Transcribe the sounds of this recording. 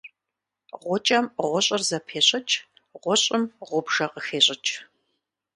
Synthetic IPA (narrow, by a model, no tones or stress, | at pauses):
ʁʷɔt͡ʃʼɐmʁʷɔɕʼɪrzɐpʰeːɕʼɪt͡ʃʼ | ʁʷɔɕʼɪmʁʷʊbʒɐqəxeːɕʼɪt͡ʃʼ